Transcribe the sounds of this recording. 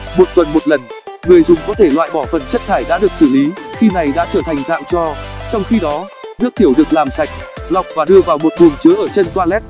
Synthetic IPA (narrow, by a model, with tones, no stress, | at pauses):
mo˨˩t̚t̪wə˨˩nmo˨˩t̚lə˨˩n | ŋɨ˨˩əjzʊ˨˩ŋ͡mkɔ˨˦t̪ʰe˧˩lwa̰ː˧˨jɓɔ˧˩fə˨˩nt͡ɕə˦˥t̚t̪ʰaː˧˩jɗa̰ː˧˥ɗɨ˨˩ək̚sɨ˧˩li˨˦xi˧na˨˩jɗa̰ː˧˥t͡ɕəː˧˩t̪ʰa˨˩jŋ̟za̰ː˧˨wt͡ɕɔ˧t͡ɕɔ˧wŋ͡mxi˧ɗɔ˨˦ | nɨ˦˥ək̚t̪i˧˩əwɗɨ˨˩ək̚laː˨˩msa˨˩jk̟̚la˨˩wk͡p̚vaː˨˩ɗɨ˧əvaː˨˩wmo˨˩t̚t̪ʰu˨˩əŋt͡ɕɨ˨˦əʔəː˧˩t͡ɕe˧nt̪waː˧lɛ˦˥t̚